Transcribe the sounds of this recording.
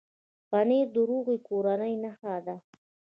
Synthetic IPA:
paneɾd̪əɾoɣekoɾanəjnaxad̪a

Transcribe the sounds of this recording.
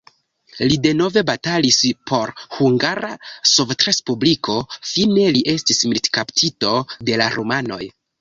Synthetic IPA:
lide̞no̞ve̞batalispʰo̞ɾhuŋɡaɾasovtɾe̞spubliko̞fine̞liʔe̞stismiltkaptʰito̞de̞laɾomano̞̰j

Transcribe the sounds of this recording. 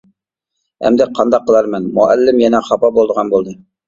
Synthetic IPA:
æ̰md̪ɛqʰɑnd̪ɑqːəlˠɑɾmɛnmṵʔæ̰lːɪmjɛnɛχɑpɑbolˠd̪əʁɑnbolˠd̪ɨ

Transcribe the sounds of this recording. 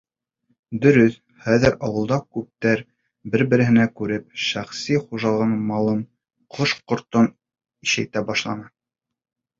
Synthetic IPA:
d̪ɵ̆ɾɵθ | χæðɘɾɑwɤ̆lˠd̪ɑkʉp̚t̪æɾ | bɘɾbɘ̆ɾɘ̆ɦɘ̆nækʉɾɘp̚ʃæχsiχuʒɑlˠʁɤnmɑlˠɤm | qʰoʃqŏɾt̪on | iʃæjt̪æbɑʃlˠɑnɑ

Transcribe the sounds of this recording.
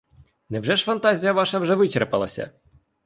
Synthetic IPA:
nɛwʒɛʃfɐnt̪ɑzʲijɐʋɑʃɐwʒɛʋɪt͡ʃerpɐlˠɐsʲɐ̰

